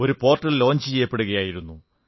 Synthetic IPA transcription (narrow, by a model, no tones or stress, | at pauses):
o̞ɾupo̞ːrʈːɐllo̞ːɲd͡ʑɨt͡ɕejːɐpːe̞ɽuɣɐjaːjiɾunːu